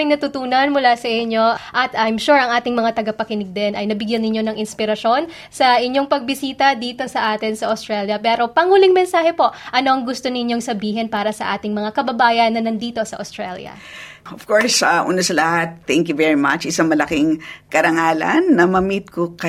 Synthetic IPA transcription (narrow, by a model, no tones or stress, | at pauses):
ɪŋnɐt̪ʊt̪uːnɐnmʊlasɐʔɪɲo̞ʔʔɐt̪ɐjmʃuɹʔɐŋʔaːt̪ɪŋmɐŋat̪ɐɡɐpɐkɪnɪɡ̚d̪ɛnɐjnɐbɪɡjɐnːɪɲjo̞nɐŋʔɪnspɪɾɐʃo̞n | sɐʔɪɲːo̞ŋpɐɡ̚bɪsiːt̪ɐd̪iːt̪o̞sɐʔaːt̪ɪnsɐʔost̪ɾɛljɐpɛːɾo̞pɐŋuːlɪŋmɛnsaːhɛpo̞ʔʔɐno̞ʔɐŋɡʊst̪o̞nɪɲjo̞ŋsɐbiːɦɛnpaːɾɐsɐʔaːt̪ɪŋmɐŋakɐbɐbaːjɐnːɐnɐnd̪iːt̪o̞sɐʔost̪ɾaljɐ̰ | ʔov̥koɹsaʔṵːnɐsɐlɐhat̪̚θɛ̃ŋkjuvɛɹima̰t͡ʃɪsaŋmɐlɐkiŋkɐɾɐŋaːlɐ̰nːɐmɐmit̪̚kokɐ